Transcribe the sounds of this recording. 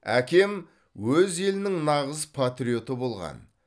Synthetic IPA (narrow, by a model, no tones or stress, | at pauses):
ækʲe̞m | wɵze̞lɪnɪŋnɑʁəzpʰat̪rʲio̞t̪əbo̞lˠʁɑ̰n